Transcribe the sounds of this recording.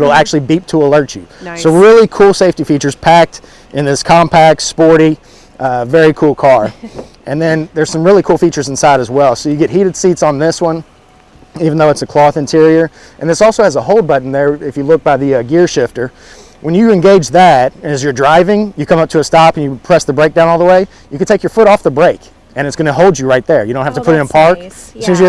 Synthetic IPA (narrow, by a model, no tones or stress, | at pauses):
ɾl̩ˠæk̚t͡ʃʉl̩ˠibip̚tʰəəlɜ˞t͡ʃʉsoʊɹɪlˠikʰulˠseɪftifit͡ʃə˞z̥pʰæk̚t | ʔɨ̃nðɪskʰɑ̃mpʰæk̚tspɔɹɾi | vɛɹikʰulˠkʰɑɹ | ʔɨ̃nðɨ̃nðə˞z̥sʌ̃mɹɪlˠikʰulˠfit͡ʃə˞zɨ̃n̩saɪɾɨzwɛlˠsoʊjɨɡɛt̚ɦiɾɨd̥sitsn̩ðɪswʌ̃n | ivn̩ðoʊɨtsɨkʰl̥ɔθɨ̃ntʰɪɹiə˞ | ʔɨ̃nðɪsɔlˠsoʊɨzəɦoʊlˠd̚bʌʔn̩ðə˞ɪfjɨlʊk̚b̥aɪðɨʌɡɪɹʃɪftə˞ | wə̃njɨɨ̃nɡeɪd͡ʒðæt̚ɨ̃nɨzjə˞dɹaɪvɪ̃ŋjɨkʰʌ̃mʌp̚tʰɨːstɑpɨ̃njɨpʰɹ̥ɛsðɨbɹeɪk̚dãʊnɔlˠðəweɪ | jɨkɨdtʰeɪkjə˞fʊɾɔfðəbɹeɪk | ɨ̃ñɨtsɡ̥ʌñəɦoʊlˠdd͡ʒɨɹaɪt̪̚ðə˞jɨɾõʊ̃nhæftəpʰʊɾɨ̃ñəpʰɑɹktsĩmz